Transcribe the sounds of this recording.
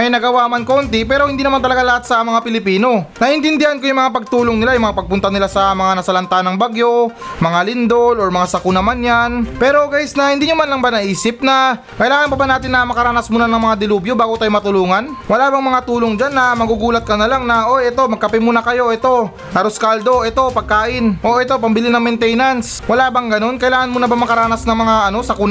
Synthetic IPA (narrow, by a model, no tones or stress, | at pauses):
ɐjnɐɡɐwamanko̞ːnt̪ɪpɛːɾo̞hɪnd̪iːnɐmant̪ɐlɐɡalɐhat̪̚sɐmɐŋapɪlɪpiːno̞nɐʔɪnt̪ɪnd̪ɪhankojʊŋmɐŋapɐɡ̚t̪uːloŋnɪlajʊŋmɐŋapɐɡ̚pʊnt̪ɐnɪlasɐmɐŋanɐsɐlɐnt̪anɐŋbaɡjo̞mɐŋalɪnd̪oloɹmɐŋasɐkʊnɐmanjanpɛːɾo̞ɡaːjɪsnɐhɪnd̪iːɲʊmanlɐŋbanɐʔiːsɪp̚nɐ | kɐjlaːŋɐnpɐbɐnaːt̪ɪnːɐmɐkɐɾaːnɐsmuːnɐnɐŋmɐŋad̪ɪluːbjo̞baːɡot̪aːjomɐt̪ʊluːŋɐnwɐlaːbɐŋmɐŋat̪uːlo̞ŋd͡ʒanːɐmɐɡuɡuːlɐt̪̚kɐnɐlaŋnɐʔo̞jɛt̪o̞mɐɡ̚kːɐpɪmuːnɐkɐjo̞ʔɛt̪o̞ | nɐɾʊskald̪o̞ʔɛt̪o̞pɐɡ̚kaːʔɪnʔo̞ʔɛt̪o̞pɐmbɪlɪnɐŋmɛnt̪ɛjnans | wɐlaːbɐŋɡɐno̞nkɐjlaːŋɐnmuːnɐbamɐkɐɾaːnɐsnɐŋmɐŋaʔɐno̞sɐkun